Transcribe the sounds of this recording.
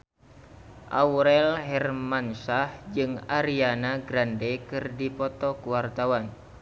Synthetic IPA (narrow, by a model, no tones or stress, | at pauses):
ʔawɾɛlɦɛrmansahd͡ʒɨŋaɾianaɡɾandɛkɨrdipɔt̪ɔkuwart̪awan